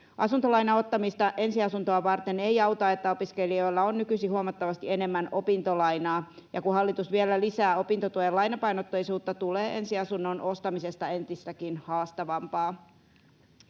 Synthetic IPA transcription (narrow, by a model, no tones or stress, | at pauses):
ʔɑ̰sunt̪olɑjnɑo̞t̪ːɑmist̪ɑʔe̞nsiɑsunt̪oɑʋɑrt̪enejɑwt̪ɑe̞t̪ːæo̞piske̞lio̞jlːɑonːykysihuoɑmɑt̪ːɑʋɑst̪ie̞ne̞mːæno̞pint̪olɑjnɑːjɑkuhɦɑlːit̪usʋielælisæːo̞pint̪ot̪uojelɑjnɑpɑjnot̪ːojsuːt̪ːɑt̪uleːʔe̞nsiɑsunːo̞nʔo̞st̪ɑmise̞st̪ɑe̞nt̪ist̪ækinhɑːst̪ɑʋɑmpɑː